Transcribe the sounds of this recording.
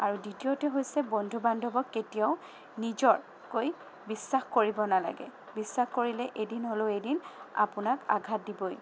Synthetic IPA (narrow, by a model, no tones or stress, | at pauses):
aɹuditiotɛɦojsɛbɔndʱubandʱɔbɔkːetijaʊ | nizɔɹ | koj | bisːaxkoɹibɔnala̰ɡɛ̰ | bisːaxkoɹilɛʔejdinɦoloʊejdina̰pʊnaka̰ɡʱat̚dibɔj